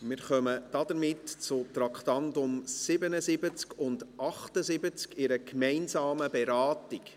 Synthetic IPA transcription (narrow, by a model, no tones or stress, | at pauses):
mɪɾχœməd̥ɑdəɾmɪtt͡sʊtɾɑkχtɑndʊmsɪbənəzɪbət͡skʊndʔɑχtəzɪbət͡skɪɾəkmɛɪnzɑːməbɛɾɑːtɪk